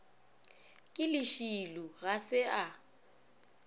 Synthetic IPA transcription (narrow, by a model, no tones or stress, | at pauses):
kʼɪlɪʃiluɣasɪa